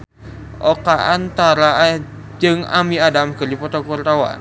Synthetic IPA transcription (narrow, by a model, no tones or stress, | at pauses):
ʔokaʔant̪aɾa | d͡ʒəŋamiadamɡəɾipɔt̪ɔkɔrt̪awa̰